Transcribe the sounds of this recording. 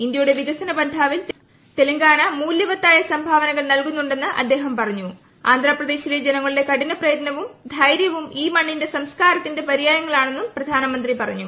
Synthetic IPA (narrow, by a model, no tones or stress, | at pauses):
ind̪jɐjuɽe̞ʋiɣɐsɐnɐbɐnd̪ʱaːʋil | t̪e̞lɐŋɡaːnɐmuːljɐʋɐt̪ːaːjɐsɐmbʱaːʋɐnɐɣɐɭnɐlkunːuɳɖe̞nːɨʔɐ̰d̪ːe̞ːɦɐmpɐrɐɲːu | a̰ːnd̪ʱɾaːprɐd̪e̞ːɕiled͡ʑenɐŋːɐɭile̞kɐɽinɐprɐjɐt̪nɐʋumd̪ʱɐjɾjɐʋumiːmɐɳːinde̞sɐmskaːɾɐt̪ːinde̞pɐɾijaːjɐŋːɐɭaːɳe̞nːumprɐd̪ʱaːnɐmɐnd̪ripɐrɐ̰ɲːu